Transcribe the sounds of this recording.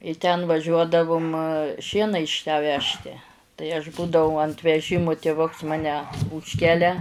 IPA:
ɪ tʲɛn ʋɐˈʒʲuɔdɐʋʊm ˈʃʲiɛnɐ ɪʃ tʲæː ˈʋʲæːʃʲtʲɪ tɐɪ ɐʃ ˈbuːdɐʋɐʊ ɐnt ʋʲɛˈʒʲɪmʊ tʲeːˈʋʊks ˈmɑːnʲɛ ˈuːʃʲkʲɛlʲɛ

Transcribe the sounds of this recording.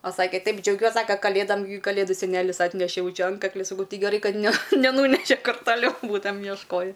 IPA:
oː ˈsɑːkʲɛ ˈtɐɪp d͡ʒʲɛʊˈɡʲuɔs ˈsɑːkɐ kɐˈlʲeːdɐm kɐˈlʲeːdʊ sʲɛˈnʲæːlʲɪs ˈɑːtʲnʲɛʃʲeː ˈjɛʊ ˈt͡ʃʲɛ ˈɐntkɐklʲɪ sɐˈkɐʊ ˈtɐɪ ɡʲɛˈrɐɪ ˈkɐt nʲɛ nʲɛˈnuːnʲɛʃʲɛ ˈkʊr tɐˈlʲɛʊ ˈbuːtɐmʲɛm jiɛʃˈkoːjɪ

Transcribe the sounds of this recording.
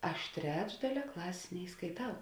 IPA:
ˈɐʃ ˈtʲrʲæːd͡ʒdɐlʲɛ ˈklˠɑːsʲeːs nʲɛɪskɐɪˈtɐʊ

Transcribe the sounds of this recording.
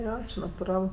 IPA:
ˈjoː nɐtʊˈrɐlˠ

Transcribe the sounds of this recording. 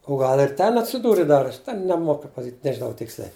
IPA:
oː ˈɡɐlˠ ɪr ˈtʲɛn ɐtʲsʲɪˈduːrʲɪ dɐr ˈtʲɛn nʲɛˈmoːkʊ pɐsɐˈkʲiːtʲ nʲɛʒʲɪˈnɐʊ ˈtʲɪksʲlʲɛɪ

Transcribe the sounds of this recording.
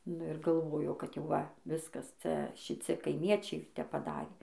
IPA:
nʊ ɪr ɡɐlˠˈʋoːjoː kɐt jɛʊ ˈʋɐ ˈʋʲɪskɐs ˈt͡sʲɛ ʃʲɪˈt͡sʲɪ kɐɪˈmʲiɛt͡ʃʲɛɪ ˈtʲɛp pɐˈdɑːrʲeː

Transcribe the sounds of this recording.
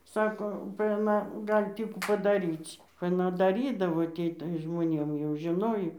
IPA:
ˈsɑːkoː bɐ ɐˈnɐ ˈɡɑːlʲɪ ˈtʲiː kuː pɐdɐˈrʲiːt͡sʲ ɐˈnɐ dɐˈrʲiːdɐʋoː ˈtʲiː tɐɪ ʒmoːˈnʲeːm jɛʊ ʒʲɪˈnoːjoː

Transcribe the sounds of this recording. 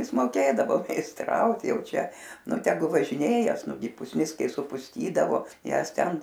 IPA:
ˈjɪs moːˈkʲeːdɐʋoː mʲɛɪsˈtrɐʊt ˈjɛʊ ˈt͡ʃʲɛ ˈnʊ tʲɛˈɡʊ ʋɐʒʲɪˈnʲeːjɛs ˈnʊɡʲɪ pʊsʲˈnʲɪs ˈkɐɪ sʊpʊsʲˈtʲiːdɐʋoː ˈjæːs ˈtʲɛn

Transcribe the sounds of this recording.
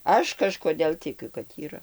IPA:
ˈɐʃ kɐʃkoːˈdʲeːlˠ tʲɪˈkʲʊ kɐt iːˈrɐ

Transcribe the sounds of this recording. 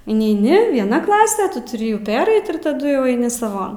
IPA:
ɪnʲɛɪˈnʲɪ ʋʲiɛˈnɐ ˈklˠɑːsʲɛ ˈtʊ tʊˈrʲɪ juː ˈpʲæːrʲɛɪt ɪr tɐˈdʊ jɛʊ ɐɪˈnʲɪ sɐˈʋoːn

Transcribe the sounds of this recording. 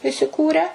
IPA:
ɪsʲɪˈkuːrʲæː

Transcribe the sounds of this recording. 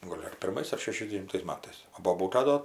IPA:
ˈɡoːlʲ ɐr pʲɪrˈmɐɪs ɐr ʃʲɛʃʲɛzʲdʲɛʋʲɪnˈtɐɪs ˈmɑːtɐɪs oː boːˈbuːtɐ ˈdoː

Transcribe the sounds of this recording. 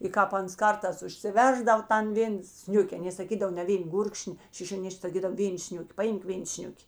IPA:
ɪ ˈkɑːp ˈɐns ˈkɐrtɑːs ʊʃʲsʲɪˈʋʲɛrzdɐw ˈtɐn ˈʋʲeːn ˈsʲnʲʊkʲɛ ɐˈnʲeː sɐˈkʲiːdɐw nʲɛ ˈʋʲeːn ˈɡʊrkʃʲnʲɪ ʃʲɪʃʲoːˈnʲɪʃʲkʲ sɐˈkʲiːdɐw ˈʋʲeːn ˈsʲnʲʊkʲɪ pɐˈɪmk ˈʋʲeːn ˈsʲnʲʊkʲɪ

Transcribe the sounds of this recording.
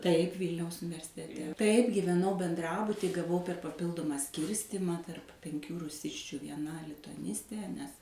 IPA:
tɐɪp ˈʋʲiːlʲnʲɛʊs ʊnʲɪʋʲɛrʲsʲɪtʲɛˈtʲɛ tɐɪp ɡʲiːʋʲɛˈnɐʊ bʲɛnˈdrɑːbʊtʲɪj ɡɐˈʋɐʊ pʲɛr pɐˈpʲɪlˠdʊmɑː ˈsʲkʲiːrʲsʲtʲɪmɑː tɐrp pʲɛŋʲˈkʲuː rʊˈsʲɪsʲt͡ʃʲʊ ʋʲiɛˈnɐ lʲɪtʊɐˈnʲɪsʲtʲeː nʲɛs

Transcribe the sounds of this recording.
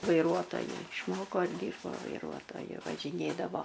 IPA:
ʋɐɪˈruɔtoːjʊ ɪʃˈmoːkoː ɪr ˈdʲiːrboː ʋɐɪˈruɔtoːjʊ ʋɐʒʲɪˈnʲeːdɐʋoː

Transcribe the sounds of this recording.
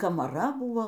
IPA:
kɐmɐˈrɐ ˈbuːoː

